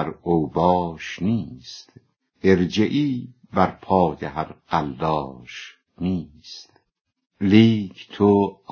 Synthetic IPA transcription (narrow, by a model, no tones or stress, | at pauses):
ɾowbɒːʃniːst̪ | ʔeɾd͡ʒeʔiː | bæɾpʰɒːjehæɾqæld̪ɒːʃ | niːst̪ | liːkʰt̪ʰo